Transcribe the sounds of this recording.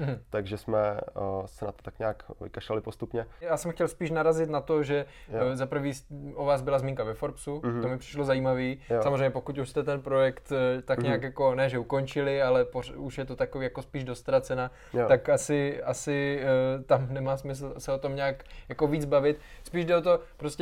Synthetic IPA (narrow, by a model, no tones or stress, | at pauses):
m̩ɦ̩t̪aɡʒɛsmɛ̰sɛnat̪o̥t̪akɲaːkvɪ̰kaʃalɪpost̪upɲɛjaːsɛmxcɛlspiːʃnaɾazɪt̪nat̪oʒɛzapɾ̩viːsʔovaːzbɪlazmiːŋkavɛfoɾpsut̪omɪpr̥ɪ̥ʃlozajiːmaviːjsamozrejɲɛpo̞kut̪uʃst̪ɛt̪ɛnpɾo̞jɛkt̪t̪akɲaːkjako̞nɛːʒɛukont͡ʃɪlɪalɛpouʃjɛt̪ot̪akoviːjako̞spiːʒdost̪ɾat͡sɛnaː | t̪akasɪasɪt̪amnɛmaːsmɪs̬l̩sɛot̪o̞mɲaːkjako̞viːd͡zbavɪt̪spiːʒdɛot̪o̞pɾoscɛ